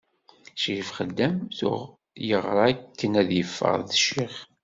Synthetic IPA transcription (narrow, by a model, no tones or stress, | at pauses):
ʃifχəd̪ːæmθʊ̰ʁ | jəʁɾˤɑækːənæðjəfːə̰ʁðəʃiχ